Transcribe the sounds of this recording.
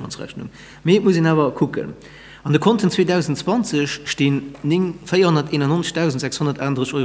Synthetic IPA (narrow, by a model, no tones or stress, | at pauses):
mɑ̰nt͡sʁæ̰ɕnṵŋ | miet̚muzeːnaːvɐkʰukə̰n | ɑndəkʰontʰənt͡sweːdæʊzəntt͡swɑnt͡səɕʃtiːnːiŋfəjɐhonɐteːnɐnont͡sə̥ʃd̥æʊzəntzækshonɐtaːndʁəɕoɪ